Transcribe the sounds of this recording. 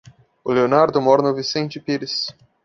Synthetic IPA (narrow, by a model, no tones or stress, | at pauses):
ʊleonaɾd̪ʊmɔɾnʊvisẽnt͡ʃɪpiɾɪs